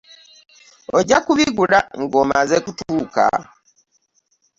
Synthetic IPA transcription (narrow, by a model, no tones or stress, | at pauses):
oɟakuβiɡulaŋɡo̞mazekutuka̰